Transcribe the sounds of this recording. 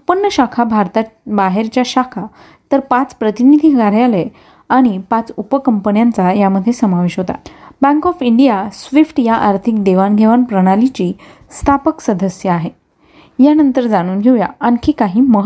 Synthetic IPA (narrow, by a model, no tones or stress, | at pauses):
upənːəɕakʰabʱaɾt̪abaɦeɾt͡ɕjaɕakʰa | t̪əɾpat͡spɾət̪inid̪ʱikaɾjale | aɽ̃ipãt͡supəkəmpənjant͡sajaməd̪ʱːjesəmaʋeɕɦot̪a̰bæ̃ŋkɔfiɳɖijasʋifʈjaʔaɾt̪ʰik̚d̪eʋanɡʱeʋanpɾəɽ̃alit͡ɕiː | st̪ʰapəksəd̪əsjəaɦe | janənt̪əɾd͡zaɽ̃uːnɡʱeʋja̰ankʰiːkaɦiːməɦ